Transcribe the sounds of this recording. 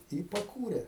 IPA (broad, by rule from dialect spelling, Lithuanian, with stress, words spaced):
ɪ pɐˈkuːrʲeː